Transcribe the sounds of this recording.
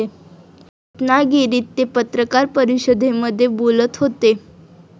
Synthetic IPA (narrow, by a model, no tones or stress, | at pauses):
e | t̪naɡiɾiːt̪ːepət̪ɾəkaɾpəɾiɕəd̪ʱːeməd̪ʱːjebolət̪ɦot̪e